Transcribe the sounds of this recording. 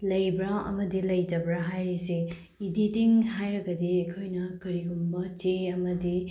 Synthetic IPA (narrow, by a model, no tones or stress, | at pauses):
lɐjbɾɐɐ̰mɐdilɐjtɐbɾɐɦajɾise | ididiŋɦajɾɐɡɐdiɐkʰojnɐkɐɾiɡumbɐt͡ʃeɐmɐdi